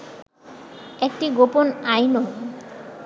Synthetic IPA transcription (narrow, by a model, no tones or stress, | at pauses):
ekʈiɡoponajno